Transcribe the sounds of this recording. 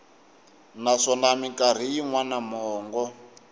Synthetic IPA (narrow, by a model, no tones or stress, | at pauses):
naʂɔnamikaɾ̤ijiŋwanamɔːŋɡɔ